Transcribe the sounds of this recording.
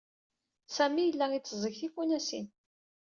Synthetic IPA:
sæmijəlːæit͡sːzˤəçθifunæsḭn

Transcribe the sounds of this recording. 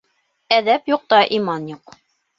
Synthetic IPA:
æðæpjuq̚t̪ɑʔimɑnjuq

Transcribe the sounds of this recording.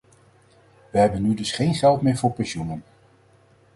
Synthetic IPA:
ʋəɦɛbənːydɵsχejnχɛlˠtmɪːɹvʊːɹpɛnʃunən

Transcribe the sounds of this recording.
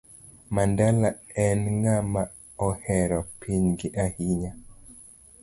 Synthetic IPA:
mandalaɛnŋama | ɔhɛɾɔpʰiɲɡɪʔahiɲa

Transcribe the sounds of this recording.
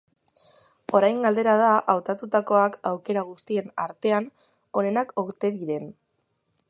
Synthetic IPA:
o̞ɾajŋɡald̪e̞ɾað̞aʔawt̪at̪ut̪ako̞akawke̞ɾaɣ̞ust̪ie̞naɾt̪e̞an | o̞ne̞nako̞ɾt̪e̞ðiɾe̞n

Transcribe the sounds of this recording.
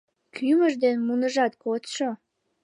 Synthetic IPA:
kʰyməʒd̪enmunəʒɑt̪kot̪ʃo

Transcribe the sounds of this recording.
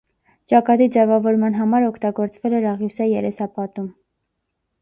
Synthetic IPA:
t͡ʃɑkɑt̪id͡zɛvɑvɔɾmɑnɦɑmɑɾɔkʰt̪ɑɡɔɾt͡svɛlɛɾɑʁjusɑjɛɾɛsɑpɑt̪um

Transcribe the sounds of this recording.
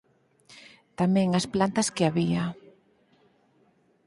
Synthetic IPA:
t̪amɛ̃ŋasplant̪ɐskɪaβia

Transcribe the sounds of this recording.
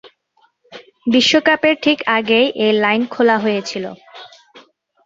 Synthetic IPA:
biʃːokapeɾʈʰikaɡejʔejlajnkʰolaɦojet͡ɕʰilo̰

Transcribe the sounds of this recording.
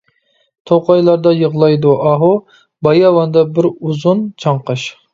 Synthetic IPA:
t̪ʰoqɑjlˠɑɾd̪ɑjəʁlˠɑjd̪uʔɑɦu | bɑjɑwɑnd̪ɑbɪɾuzunt͡ʃʰɑɴqɑʃ

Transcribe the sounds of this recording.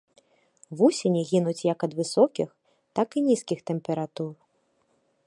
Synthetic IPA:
vusʲenʲiɣʲinut͡sʲjɐkɐd̪vɨsɔkʲix | t̪akinʲiskʲixt̪ɛmpʲɛɾat̪ur

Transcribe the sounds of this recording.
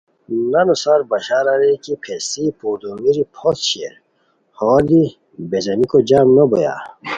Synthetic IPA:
nɐnusaɾbɐɕaːɾaɾekipʰesipud̪omiɾipʰɔt̪ɕiḛɾ | hɔld̪i | bezɐnikod͡ʑaːmnoboja̰

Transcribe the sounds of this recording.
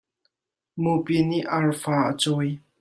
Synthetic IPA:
mupiniʔaɹfaːʔə̰t͡sɔj

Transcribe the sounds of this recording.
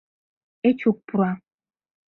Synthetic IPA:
et͡ʃuk̚puɾa

